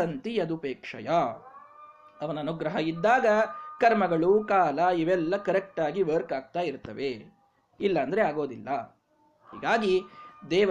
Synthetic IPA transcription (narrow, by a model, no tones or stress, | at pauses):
ɐnt̪ijɐd̪upeːkʂɐ̰ja | ɐʋɐnɐːnuɡɾɐɦɐid̪ːaːɡɐkɐɾmɐɡɐɭukaːlɐiʋɛlːɐkɐɾek̚ʈaːɡiʋɐɾkaːɡ̚t̪aːjiɾt̪ɐʋe | ilːɐːnd̪ɐɾe̞aːɡo̞ːd̪ilːɐ | hḭːɡaːɡid̪ɛːʋ